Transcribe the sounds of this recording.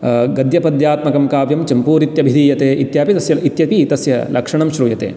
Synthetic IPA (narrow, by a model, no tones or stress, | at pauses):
ɡɐd̪jɐpɐd̪jaːt̪mɐkɐmkaːʋjɐmt͡ʃɐmpuːɾit̪jɐbʱid̪iːjɐt̪eːʔit̪jaːpit̪ɐsjɐit̪jɐpit̪ɐsjɐlʔɐkʂɐɳɐmʃɾuːjɐt̪ḛː